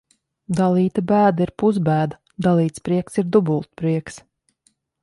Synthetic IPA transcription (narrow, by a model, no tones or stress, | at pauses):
d̪alˠiːt̪abæːd̪aiɾpuzbæːd̪a | d̪alˠiːt̪spɾiɛksiɾd̪ubulˠt̪pɾiɛks